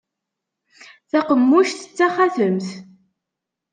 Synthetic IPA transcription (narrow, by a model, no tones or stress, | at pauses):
θæqəmːuʃθət͡sːæχæθəmθ